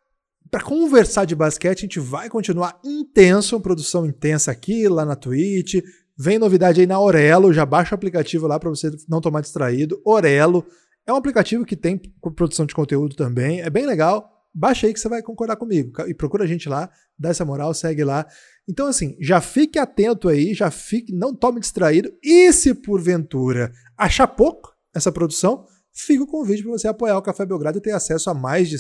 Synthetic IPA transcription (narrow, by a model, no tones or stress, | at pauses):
pɾɐkõveɾsad͡ʒɪbaskɛt͡ʃɪɐʒẽnt͡ʃɪvajkõnt͡ʃinuaɾĩt̪ẽsʊũɐpɾod̪usɐ̃w̃ĩnt̪ẽsɐːkilanɐt̪uit͡ʃɪ | vẽj̃novid̪ad͡ʒɪainɐoɾɛlʊʒabaʃɐʊaplikat͡ʃivʊlapɾɐvosenɐ̃w̃t̪omaɾd͡ʒɪst̪ɾaid̪ʊoɾɛlʊ | ɛũaplikat͡ʃivʊkɪt̪ẽj̃kpɾod̪usɐ̃w̃d͡ʒɪkõnt̪eud̪ʊt̪ɐ̃mbẽj̃ɛbẽj̃leɡaw | baʃɐaikɪ̥sevajkõŋkoɾd̪aɾkõmiɡʊkaɪpɾokuɾɐaʒẽnt͡ʃɪla | d̪aɛsɐmoɾawsɛɡɪla | ẽnt̪ɐ̃w̃asĩʒafikɪat̪ẽnt̪ʊaiʒafikɪnɐ̃w̃t̪õmɪd͡ʒist̪ɾaid̪ʊɪsɪpoɾvẽnt̪uɾɐ | aʃapokʊ | ɛsɐpɾod̪usɐ̃w̃ | fikɪʊkõʊvid͡ʒʊpɾɐvoseapojaʊkafɛbeowɡɾad̪ʊɪt̪ẽasɛsʊamajzd͡ʒɪ